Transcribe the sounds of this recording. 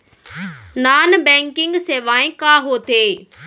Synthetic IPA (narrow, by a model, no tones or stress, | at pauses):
naːnbɛ̃ːŋkɪ̃ŋɡseːʋaːẽːkaːɦoːt̪eː